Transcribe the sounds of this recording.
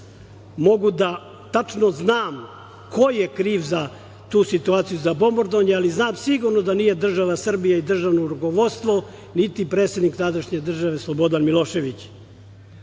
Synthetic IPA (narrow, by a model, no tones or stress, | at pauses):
mo̞ɡud̪a | t̪at͡ʂnoznaːm | kojjekɾiːʋza | t̪uːsit̪uaːt̪sijuzabo̞moɾd̪oɲealiznaːmsiɡuɾnod̪anije̞d̪r̩ʒaʋasr̩bijaid̪r̩ʒaʋnoɾuko̞ʋo̞dt̪st̪ʋo̞ | nit̪ipɾet̪se̞d̪nikt̪ad̪aʃɲe̞d̪r̩ʒaʋe̞slˠobo̞d̪anmilˠo̞ʃe̞ʋit͡ɕ